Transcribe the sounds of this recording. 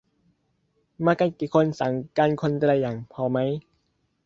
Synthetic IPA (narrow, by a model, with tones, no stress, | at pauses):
maː˧ka˧nkiː˨˩kʰo˧nsa˨˦ŋkaː˧nkʰo˧nt̪la˧˩jːaː˨˩ŋpʰɔː˧ma˦˥j